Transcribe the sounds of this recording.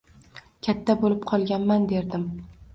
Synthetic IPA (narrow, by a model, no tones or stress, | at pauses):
kʲʰat̪ʰːabolɪpqʰɒlˠɡʲanmand̪e̞ɾd̪ɪm